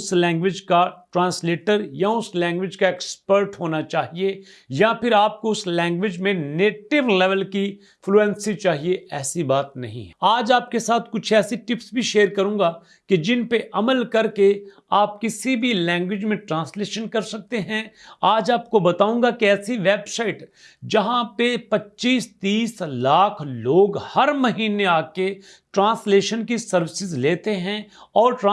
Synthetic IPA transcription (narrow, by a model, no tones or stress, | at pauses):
ʊslɛ̃ːŋɡʋɪd͡ʒkaʈɾãːnsleːʈəɾjaʊslɛ̃ːŋɡʋɪd͡ʒkaɪkspəɾʈɦoːnat͡ʃaːɦie | japʰɪɾaːp̚koʊslɛ̃ːŋɡʋɪd͡ʒmẽneːʈɪʋlɛʋəlki | fʰluɛ̃nsit͡ʃaːɦieɛːsibaːt̪nɐ̰ɦḭ̃ɦɛaːd͡ʒaːp̚kesaːt̪ʰkʊt͡ʃʰɛːsiʈɪpsbʱiʃeːɾkɐɾũːɡa | ked͡ʒɪnpeʔɐməlkɐɾke | aːp̚kɪsibʱilɛ̃ːŋɡwɪd͡ʒmẽʈɾãːsleːʃənkɐɾsɐk̚t̪eɦɛ̃aːd͡ʒaːp̚kobɐt̪aːũːŋɡakeɛːsiʋeːbsaːɪʈ | d͡ʒɐɦãpepɐtːʃiːst̪iːslaːkʰloːɡhɐɾmɐɦiːneaːke | ʈɾãːnsleːʃənkisɐɾʋɪsɪzleːt̪eɦɛ̃ɔːɾʈː